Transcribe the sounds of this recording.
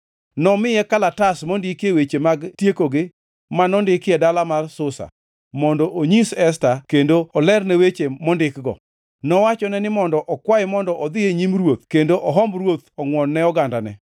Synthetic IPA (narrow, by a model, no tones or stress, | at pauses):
nɔmɪjɛkalatasmɔndɪkjewet͡ʃemaɡtjekoɡɪ | manɔndɪkɪɛdalamarsʊsa̰ | mɔndɔʔoɲisɛs̬takendoɔlɛrnɛwet͡ʃemɔndɪkɡɔ̰ | nɔwat͡ʃɔnɛnɪmɔndɔʔɔkwaɪmɔndɔʔɔd̪ɪeɲimɾwot̪kendoʔɔɦɔmbɾwot̪ɔŋwɔnːɛɔɡandanɛ̰